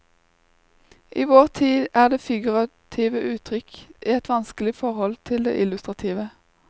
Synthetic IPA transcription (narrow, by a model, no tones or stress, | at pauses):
ʔiːʋoːʁt̪ʰiːd̪ʔæːʁd̪eːfɪɡʉʁɑt̪ʰiːʋəʔʉːt̪ʰʁʏkiːɛt̪ʋɑnskəlɪfɔʁhɔlt̪ʰɪld̪ḛːʔɪlʉst̪ʁɑt̪ʰiːʋə